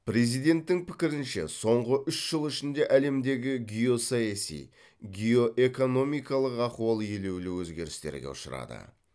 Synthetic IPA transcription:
pɾe̞zijd̪e̞nt̪ːɪŋpʰɪ̥kʲɪɾɪnʃe̞̰so̞ɴʁəʔʏʃʒ̥əlˠɪʃɪnd̪e̞ʔæle̞md̪e̞ɡʲɪɡʲijo̞sɑjɑsḭj | ɡʲio̞ʔe̞ko̞no̞mijkɑlˠəqɑquɑlˠje̞le̞wlɪwɵzɡʲe̞ɾɪst̪e̞̰ɾɡʲeʊ̰ʃə̰ɾɑ̰d̪ə̰

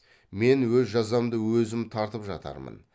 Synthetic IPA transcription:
me̞nwɵzʒɑzɑmd̪əwɵzɪmt̪ʰɑɾt̪əpʒɑ̰t̪ɑ̰ɾmə̰n

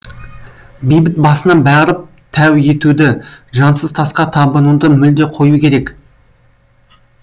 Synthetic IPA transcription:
bijbɪt̪̚bɑsənɑnbæʁɾəp̚ | t̪ʰæwje̞t̪ud̪ɪʒɑnsəzt̪ʰɑsqɑt̪ʰɑbənud̪əmʏld̪e̞qʰo̞jukʲʰe̞ɾe̞k

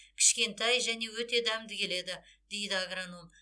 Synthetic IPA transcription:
kʲʰɪ̥ʃkʲe̞nt̪ɑjʒæne̞wɵt̪e̞d̪æmd̪ɪkʲʰe̞le̞d̪ɪ | d̪e̞jd̪ɪaɡɾanum

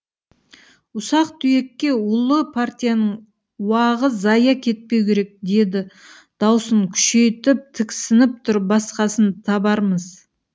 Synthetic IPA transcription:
ʊsɑqt̪ʰʏje̞kʲːe̞ʊlˠəpʰart̪ʲijanəɴ | wɑʁəzzɑjɑkʲʰe̞t̪̚pe̞wkʲʰe̞ɾe̞k̚d̪e̞d̪ɪ | d̪̥ɑwsəɴkʲʰʏ̥ʃe̞jt̪ɪp̚t̪ʰɪkʲsɪnɪp̚t̪ʰʊɾbɑsqɑsənt̪ʰɑbɑɾməz̥

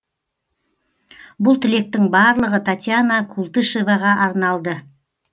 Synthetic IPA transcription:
bʊlˠt̪ʰɪle̞k̚t̪ɪŋbɑɾlˠəʁət̪ʰat̪ʲjanakʰulˠt̪ɨʃevaʁɑʔɑɾnɑlˠd̪ə

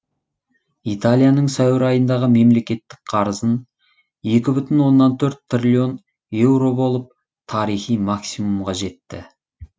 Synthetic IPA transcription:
it̪alʲˠijanəɴsæwɪɾɑjənd̪ɑʁəme̞mle̞kʲe̞t̪ːɪ̥k̚qʰɑɾəzən | je̞kʲɪbʏt̪ɪnwo̞nːɑnt̪ʰɵɾt̪̚t̪rʲilʲio̞n | je̞wɾo̞bo̞lˠəp̚ | t̪ʰɑɾijχijmɑksimumʁɑʒe̞t̪ːɪ̰

